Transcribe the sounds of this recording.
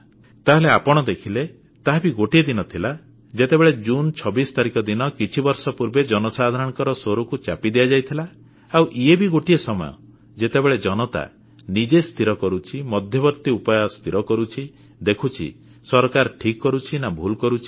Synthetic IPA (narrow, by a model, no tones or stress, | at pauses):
t̪aɦeleapɔɽ̃ɔd̪ekʰile | t̪aɦbiɡoʈied̪inɔt̪ʰila | d͡ʒet̪ebeɭed͡ʒunt͡ʃʰɔbist̪aɾikɔd̪inɔkit͡ʃʰibɔɾsɔpuɾbed͡ʒɔnɔsad̪ʱaɾɔɽ̃kɔɾɔsoɾukut͡ʃapid̪ijad͡ʒajt̪ʰilaː | wʔiebiɡoʈiesɔmɔ̰jɔ̰ | d͡ʒet̪ebeɭed͡ʒɔnɔt̪a̰ | nid͡ʒest̪ʰiɾɔkɔɾut͡ʃʰimɔd̪ʱjɔbɔɾt̪iupɔjɔst̪ʰiɾɔkɔɾut͡ʃʰi | d̪ekʰut͡ʃʰḭ | sɔɾkaɾʈʰikːɔɾut͡ʃʰinabʱulkɔɾut͡ʃʰi̥